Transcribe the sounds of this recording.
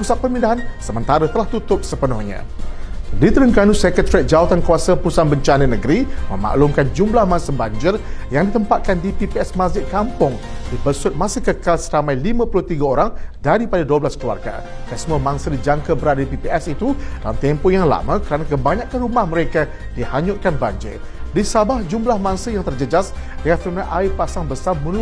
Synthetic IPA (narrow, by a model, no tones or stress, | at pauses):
pusat̪̚pərmindaɦansəmənt̪aɾət̪əlaht̪ut̪ʊp̚səpənʊhɲã̰ | dit̪əɾəŋkanusɛkət̪ɾɛt̪̚d͡ʒawat̪ankuwasapusanbəɲt͡ʃanənəɡəɾimə̃ma̰ʔlumkand͡ʒumlahmãsabaɲd͡ʒɪrjaŋdit̪əmpat̪̚kandipipiɛsmad͡ʒɪt̪̚kampʊŋ | dipəsʊt̪̚mãsəhkəkalsəɾamãjlimãpulʊht̪iɡaoɾaŋdaɾipadaduablaskəlua̰rɡa̰ | kasəmuamaŋsədid͡ʒaŋkabəɾadadipipiɛsit̪ud̥a̰lamt̪ɛmpɔjaŋla̰mãkəɾanakəbaɲãʔkanrumahməɾeka | dihaɲʊt̪̚kanbaɲd͡ʒɪ̰r | disabahd͡ʒumlahmaŋsəjaŋt̪ərd͡ʒəd͡ʒas | dəŋat̪ɾunaʔaɪpasaŋbəsarmunu